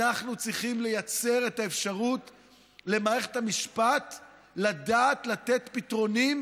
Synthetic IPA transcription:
aχnut͡sʁiχimle̞jat͡se̞ʁe̞taefʃaʁut | le̞maːʁe̞χe̥tamiʃpat | ladaːt̪lat̪e̞tpitʁo̞nim

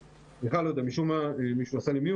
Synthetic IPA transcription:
beχalod̪amiʃumaemiʃuasalimi

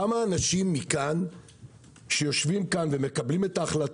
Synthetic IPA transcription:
amaːnaʃimːikan | ʃejo̞ʃvimkanveme̞kablime̞taːχlat

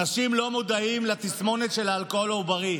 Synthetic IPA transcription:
naʃimlo̞mod̪aimlat̪ismo̞net̪ʃe̞laːlkolaubaʁi

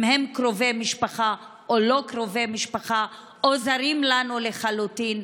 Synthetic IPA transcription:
mhemkʁovemiʃpaχa | ʔolo̞kɾovemiʃpaχa | ʔozaɾimlanuleχalutin

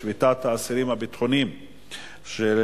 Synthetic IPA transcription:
vitat̪haːsiɾimhabit̪χonim | ʃe

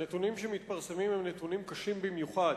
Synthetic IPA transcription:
net̪unimʃe̞mit̪paʁse̞mimhemnet̪unimkaʃimbimjuχad̪

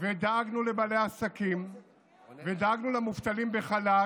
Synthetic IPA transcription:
ved̪aaɡnulebale̞jasakim | ved̪aaɡnulamuft̪alimbeχala

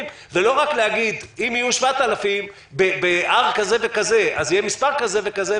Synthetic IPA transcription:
m | velo̞ʁakleaɡid̪imijuʃvat̪alafim | bebeʔaʁkaze̞ve̞kaze̞ʔazijemispaʁkaze̞ve̞kaze

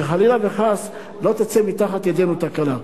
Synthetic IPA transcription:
eχalilaveχas | lo̞t̪at͡semit̪aχat̪jad̪enut̪akala

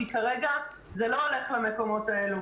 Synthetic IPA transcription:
ikaʁeɡa | zelo̞ole̞χlame̞ko̞mo̞tae̞lu

